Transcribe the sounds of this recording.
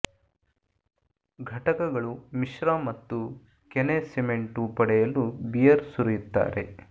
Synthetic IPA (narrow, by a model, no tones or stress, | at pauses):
ɡʱɐʈɐkɐɡɐɭumiʃɾaːmɐt̪ːu | kenesime̞ɳʈupɐɽɛjɐlubijɐɾsuɾujut̪ːa̰ːɾe̞